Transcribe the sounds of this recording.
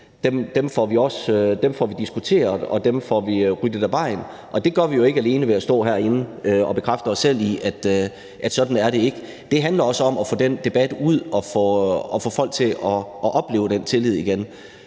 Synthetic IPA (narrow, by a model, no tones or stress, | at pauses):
d̥emd̥emfɒʋiɒ̽sød̥emfɒʋid̥isɡ̥ut͡sʰe̝̰ːɐð̩ˠɒ̽d̥emfɒ̰ʋiʁyd̥əd̥æʋɑ̈ɪ̰n | ʔɒ̽d̥e̝ɡ̥ɶɐʋijo̝e̝ɡ̥əæle̝ːnəʋe̝æsd̥ɔ̰ːɦæɐe̝n̩øɒ̽b̥e̝kʰʁafd̥ɐɒ̽sːel̰iæd̥ | ʔæd̥sɒ̽d̥n̩æɐɾe̝e̝ɡ̥ə | d̥e̝ɦænlɐɒ̽səɒ̽mɒfɔːd̥end̥e̝b̥æd̥uð̞̰ˠɒ̽fɔɒ̽fɔːfɒ̽l̰ɡ̚t͡sʰe̝lɒ̽ʔːʔɒ̽b̥le̝̰ːʊəd̥ent͡sʰe̝lið̞̰ˠiɡ̥en